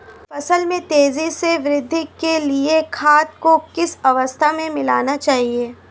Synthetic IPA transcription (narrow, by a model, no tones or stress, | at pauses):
fɐsəlmẽt̪eːziseʋɾɪd̪ʱːɪkːeliekʰaːt̪̚kokɪsɐʋəst̪ʰamẽmɪlaːnat͡ʃaːɦieː